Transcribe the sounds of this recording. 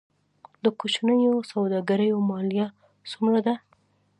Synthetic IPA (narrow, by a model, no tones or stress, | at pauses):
d̪əkot͡ʃnəjosawd̪ɑɡaɾəjomɑlija | sumɾad̪a